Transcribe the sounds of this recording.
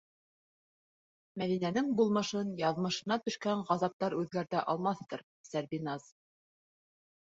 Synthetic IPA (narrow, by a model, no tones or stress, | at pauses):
mæðinænɘŋbulˠmɤ̆ʃɤnjɑðmɤ̆ʃɤ̆nɑt̪ɵ̆ʃkæɴʁɑzɑp̚t̪ɑɾʉðɡæɾt̪æʔɑlˠmɑθt̪ɤɾ | sæɾbinɑz̥